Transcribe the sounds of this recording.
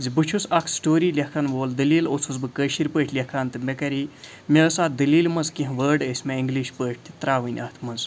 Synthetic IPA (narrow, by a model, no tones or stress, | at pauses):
d͡zibɨt͡ʃʰusɐkʰsʈoːɾiːlʲɐkʰaːnʋoːld̪ɐliːlot͡sʰuzbɨkəːʃiɾʲpəːʈʰʲlʲɐkʰaːnt̪ɨmʲekɐɾi | mʲeəsaːd̪ɐliːlmɐzkĩɦʋəːɾɖəsʲmeiŋɡliʃpəːʈʲʰt̪i̥t̪ɾaːʋɨnʲɐ̰t̪ʰmɐz